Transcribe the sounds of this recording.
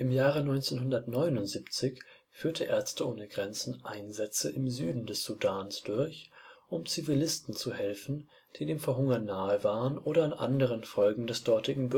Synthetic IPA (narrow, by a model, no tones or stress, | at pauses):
ʔɪmjaːʁənɔʏnt͡senɦʊndɐtnɔʏnʊntz̥iːpt͡sɪç | fyːɐtəʔeːɐt͡stəʔoːnəɡʁɛnt͡sn̩ʔaɪnzɛt͡səʔɪmzyːdn̩dɛsz̥udaːnsd̥ʊɐçʔʊmt͡sivilɪstn̩t͡suhɛlfn̩ | d̥iːdeːmfɛɐɦʊŋɐnːaːəvaːʁənʔoːɾɐanʔa̰ndəʁ̞ənfɔlɡŋ̩dɛsd̥ɔɐtɪɡŋ̩b